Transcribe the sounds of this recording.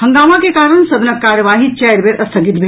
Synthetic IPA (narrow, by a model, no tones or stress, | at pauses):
həŋɡaːmakekaːɾəɳ̃sɐd̪nəkːaːɾjəʋaːɦit͡ʃɛɾbeɾʔɐst̪ʰəɡit̪bʱe